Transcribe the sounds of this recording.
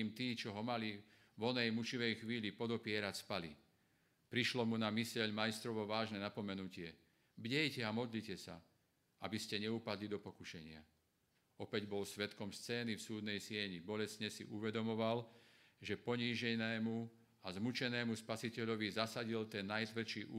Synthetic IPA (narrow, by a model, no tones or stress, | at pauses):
mt̪iːt͡ʃɔɦɔmali | ʋɔnɛjmut͡ʃiʋɛjxʋiːlipɔd̪ɔpɪɛɾacspali | pɾiʃlɔmunamisɛʎmajst̪ɾɔʋɔʋaːʒnɛnapɔmɛnucɪɛ | bɟɛjcɛamɔd̪licɛsa̰ | a̰biscɛɲɛupad̪lid̪ɔpɔkuʃɛɲɪa | ɔpɛɟbɔlsʋɛt̪kɔmst͡sɛːnifsuːd̪nɛjsɪɛɲibɔlɛsɲɛsḭʔuʋɛd̪ɔmɔʋalʒɛpɔɲiːʒɛnɛːmu | azmut͡ʃɛnɛːmuspasicɛʎɔʋizasaɟilt̪ɛnːajt̪ʋɛt͡ʃiːʔu